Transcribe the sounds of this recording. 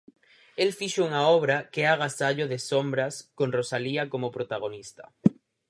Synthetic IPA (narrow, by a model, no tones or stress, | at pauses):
elfiʃouŋaoβ̞ɾakeaɣ̞asaʎoðesombɾaskonrosaliakomopɾot̪aɣ̞onist̪ḁ̰